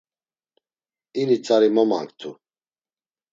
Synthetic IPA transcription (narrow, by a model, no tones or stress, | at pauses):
init͡sʼaɾimɔma̰ŋkt̪ʰu